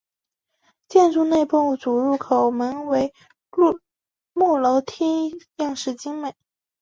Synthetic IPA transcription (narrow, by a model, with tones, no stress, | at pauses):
t͡ɕjɛ˥˧nʈ͡ʂu˥˧ne˥˧ɪpo˥˧ŋ˥˩t͡su˨˩ɻu˥˩kʰo˨˩ʊmə˧˥nwe˧˥ɪ | mu˥˩lo˧˥ʊt̪ʰi˥jɑ˥˧ŋʂɻ̩˥˩t͡ɕi˥ŋme˨˩˦ɪ